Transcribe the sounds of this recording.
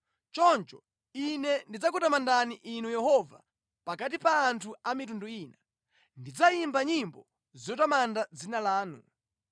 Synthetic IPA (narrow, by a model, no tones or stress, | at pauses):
t͡ʃɔnt͡ʃɔ | inɛndid͡zakutamandaniʔinujɛhɔva̰ | pakat̬ipaːntʰuamitunduiːna | ndid͡zajimbaɲimbɔ | zijɔtamandad͡zinalaːnṵ